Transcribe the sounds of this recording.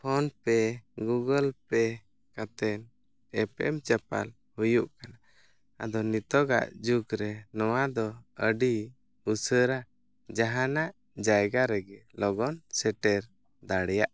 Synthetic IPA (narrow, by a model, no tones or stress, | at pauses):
pʰɔnpɛɡuɡəlpɛ | kat̪ɛn | ɛpɛ̰mt͡ʃɛpa̰l | hujuʔkana | a̰d̪ɔnit̪ɔɡa̰ʔd͡ʒukɾɛnɔwad̪ɔəɖi | usəɾa | d͡ʒaɦanaʔ | d͡ʒajɡaɾɛɡɛlɔɡɔnsɛʈɛɾ | d̪aɽɛjaʔ